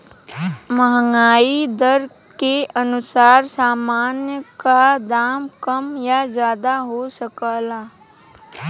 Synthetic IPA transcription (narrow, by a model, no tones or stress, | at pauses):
məɦəŋɡaːid̪əɾ | keʔənʊsaːɾsaːmaːnjəkad̪aːmkəmjazjaːd̪aɦosəkaːlaː